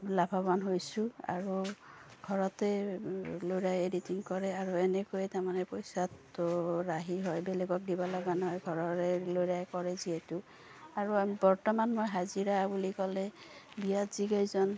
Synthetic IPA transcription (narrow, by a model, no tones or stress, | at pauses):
labʱabanɦojsʊa̰ɹuɡʱɔɹɔtɛ | lojɹajeditiŋkɔɹɛaɹuɛnɛkojɛtaɹmanɛpojsatɹaɦiɦɔjbɛleɡɔk̚dibalaɡanɦɔjɡʱɔɹɔɹɛloɹajkɔɹɛziɦɛtu | aɹubɔɹtɔmanmojɦaziɹabulikɔlɛbijatz̥iɡajzɔn